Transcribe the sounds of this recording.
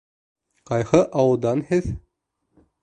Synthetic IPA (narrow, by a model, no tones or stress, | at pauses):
qɑjhɤʔɑwɤ̆lˠd̪ɑnhɘð